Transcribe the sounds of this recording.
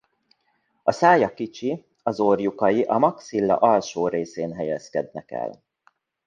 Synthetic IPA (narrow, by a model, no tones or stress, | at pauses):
ɒsaːjɒkit͡ʃi | ɒzorjukɒjiʔɒmɒksilːɒ̰ʔɒlʃoːɾeːseːnɦɛjɛskɛd̪nɛkɛ̰l